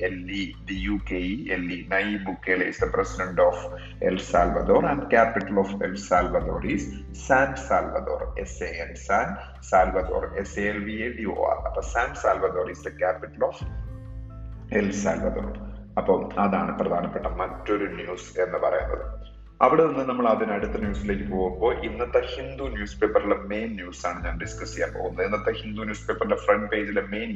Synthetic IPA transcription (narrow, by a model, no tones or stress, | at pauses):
elːiɖ̪ijuːkeielːinɐjbukːelḛisd̪ɐpresiɖɐɳɖoːf | ḛlfsaːlʋɐd̪oːrɐɳɖkaːpiʈːɐloːfḛlsaːlʋɐd̪o̞̰ːris | saːnɖsaːlʋɐ̰d̪o̞̰ːrḛseelsaːn | saːlʋɐd̪o̞̰ːreseelʋieɖio̰ːa̰rɐpːɐːsaːnɖsaːlʋɐd̪o̞ːrisd̪ɐkaːpiʈːɐloːf | elsa̰ːlʋɐd̪o̰ːr | ɐpːoːmɐðaːɳɨprɐd̪ʱaːnɐpːeʈːɐmɐtːo̞ɾunjuːse̞nːɨpɐrɐ̰junːɐ̰ðɨ | ɐʋiɽeonːɨnɐmːɐɭɐðinɐɽut̪ːɐnjuːsile̞ːkʲːɨpo̞ːɣumbo̞ːʔinːɐt̪ːɐhind̪unjuːspe̞ːpːɐrileme̞ːnːjuːsaːɳɨɲaːnɖiskɐsi̥kʲːaːnpo̞̰ːɣunːɐðenːɐt̪ːɐhind̪unjuːspe̞ːpːɐrilefrɐɳɖpeːd͡ʑileme̞ːn